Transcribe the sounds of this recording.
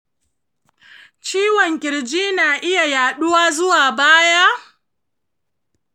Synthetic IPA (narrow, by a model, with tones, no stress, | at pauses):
t͡ʃiː˦wɔ˨ŋkʲɪ˨ɽd͡ʒiː˦naː˨ʔɪ˦ja˨jaː˨ɗʊ˦waː˦zʊ˦waː˨baː˦ja˦